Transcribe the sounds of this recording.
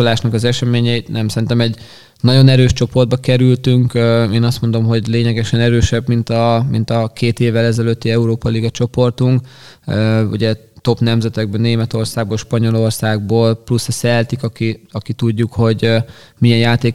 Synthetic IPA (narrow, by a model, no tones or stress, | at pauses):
olaːʃnɒkɒzɛʃɛmeːɲɛit̪nɛmsɛɾint̪ɛmɛɟ | nɒɟo̞nɛɾøːʃt͡ʃo̞po̞rd̪̚bɒkɛɾylt̪yŋkeːnɒst̪mo̞nd̪o̞mɦo̞ɟleːɲɛɡɛʃɛnɛɾøːʃɛbmint̪ɒmint̪ɒkeːt̪eːvːɛlɛzɛløt̪ːiɛuɾoːpɒliɡɒt͡ʃo̞po̞rt̪uŋkøṵɟɛ | t̪o̞pnɛmzɛt̪ɛɡ̚bɛnːeːmɛt̪o̞rsaːɡ̚boːlʃpɒɲo̞lo̞rsaːɡboːlplusɛsɛlt̪ikɒkiɒkit̪uɟːukho̞ɟ | mijɛnjaːt̪eː